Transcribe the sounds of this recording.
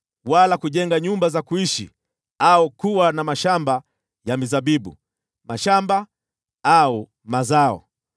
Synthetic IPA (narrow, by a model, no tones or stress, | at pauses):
walakuʄɛŋɡaɲumbazakuiʃḭ | aukuwanamaʃamba | jamizaɓiɓṵ | maʃamba | au | mazaɔ̰